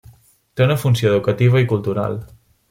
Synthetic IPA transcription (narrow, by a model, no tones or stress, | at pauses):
t̪eunəfunsioɛðukət̪iβ̞əikulˠt̪uɾa̰lˠ